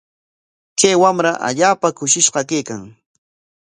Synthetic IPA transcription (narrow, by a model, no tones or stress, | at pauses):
kajwamɾaʔa̰ʎaːpakʊʃɪʃɢɑkejkaŋ